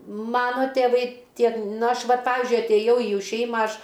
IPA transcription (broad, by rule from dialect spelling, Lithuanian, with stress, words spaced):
ˈmɑːnoː tʲeːˈʋɐɪ ˈtʲiɛk ˈnɐ ˈɐʃ ˈʋɐt ˈpɑːʋʲɪzʲd͡ʒʲʊɪ ɐtʲeːˈjɛʊ iː ˈjuː ˈʃʲɛɪmɐ ˈɐʃ